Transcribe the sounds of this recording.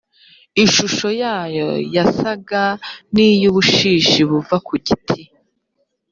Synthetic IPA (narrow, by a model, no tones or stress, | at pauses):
iʃuʃo̞jaːjo̞̰jasaɡanijuβuʃiːʃiβuvakuɟitʰi